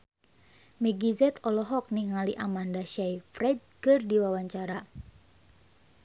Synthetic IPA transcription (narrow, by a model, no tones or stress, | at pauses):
mɛɡizɛt̪ɔlɔɦɔk̚niŋaliʔamandaʃajfɾɛd̚kɨrdiwawaɲt͡ʃaɾa